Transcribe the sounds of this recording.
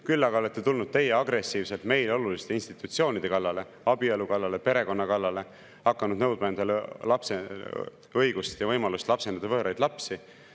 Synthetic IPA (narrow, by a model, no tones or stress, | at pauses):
kylːɑɡ̥ɑo̞let̪ːe̞t̪ulnud̪̥̚t̪e̞jeɑɡɾe̞sːiːvse̞lt̪me̞jlo̞lulist̪einst̪it̪ːˑut̪sio̞ːnid̪̥e̞kɑlːɑle̞ | ɑbielukɑlːɑle̞pe̞ɾe̞ko̞nːɑkɑlːɑle̞ | hɑkːɑnud̪nɤwd̪̚mɑnd̪ellɑpse | ɤjɡ̥ust̪jɑvɤjmɑlust̪lɑpse̞nɑd̪̥ɑvɤːɾʔɑjd̪̥lɑpsi